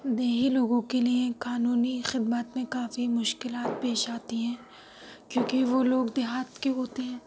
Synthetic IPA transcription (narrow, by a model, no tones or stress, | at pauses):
d̪eːɦiloːɡõkeliekaːnuːnixɪd̪mat̪mẽkaːfimʊʃkɪlaːt̪̚peːʃaːt̪iɦɛ̃ː | kjõːkeʋoloːɡd̪ɪɦaːt̪keɦoːt̪eɦɛ̃ː